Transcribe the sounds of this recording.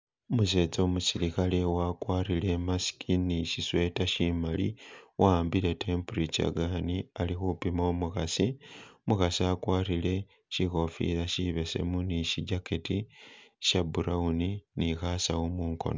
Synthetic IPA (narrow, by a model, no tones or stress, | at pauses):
omuse̞t͡somusiɾikalewakwaːrile̞masi̥kʰiniʃiswe̞taʃimalḭwaːmbile̞tʰempurit͡ʃa̰ɡanialixupimoomuxasimuxasiakwaːrile̞ | ʃiko̞fḭlaʃiβe̞se̞̰muniʃiɟaketiʃabuɾauninixasaumuːŋko̰no